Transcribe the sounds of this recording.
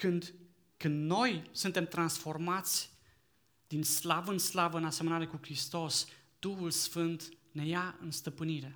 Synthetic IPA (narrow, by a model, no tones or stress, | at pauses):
kɨnd̪ | kɨnd̪no̞jsunt̪e̞mt̪ɾansfo̞rmat̪sʲ | d̪inslavəɨnslavəɨnase̞mənaɾe̞kukɾist̪o̞s | d̪̥uhulsfɨnt̪ne̞jaɨ̰nst̪əpɨniɾe̞